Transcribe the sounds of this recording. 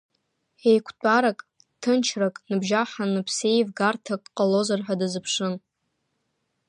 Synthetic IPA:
ejkʷʰtʷʼaɾakʼ | tʰɨnt͡ʃʰrakʼnɨbʒaħanɨpʰse̞jvɡartʰakʼqʼalozarħʷᶣadɨzɨpʰʂɨn

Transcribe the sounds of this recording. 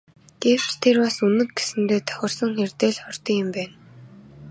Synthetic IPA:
ɡ̥ew̥t͡ɕt̪ʰerwasunɘ̆k̚ɡesɘ̆nt̪eːt̪ʰœ̥xʲɪ̆rsɞ̆ŋxert̪eːɮχɔrt̪iɪ̆mpæːn

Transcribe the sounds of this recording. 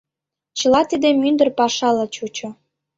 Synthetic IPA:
t͡ɕə̆lɑt̪id̪emynd̪ərpɑʃɑlɑt͡ɕut͡ɕo

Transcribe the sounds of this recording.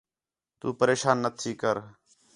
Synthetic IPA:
t̪ṵːpəɾeːʃaːnːət̪ʰiːkəɾ

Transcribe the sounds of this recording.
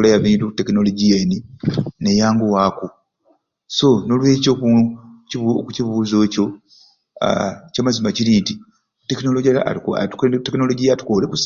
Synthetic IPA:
lajaβiːntute̞kino̞lo̞ɟijeːnine̞jaːŋɡuwaːku | so̞no̞lwe̞t͡ʃoku | kuciβuzo̞ːco̞̰ | camazimaciɾinti | te̞kino̞loɟ̰a̰tuktekino̞lo̞ɟijatu̥kolekus

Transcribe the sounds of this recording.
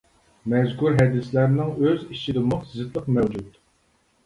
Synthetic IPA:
mɛzkuɾɦɛd̪ɪslæɾnɪŋøzit͡ʃʰid̪ɨmʊχt̪ʰzɪt̪lˠəqmɛwd͡ʒut̪

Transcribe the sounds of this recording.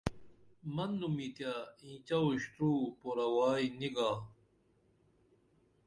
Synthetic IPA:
mɐnːumit̪jaĩːt͡ɕɐwɕʈ̪ɾuːpoɾɐwaːiniɡaː

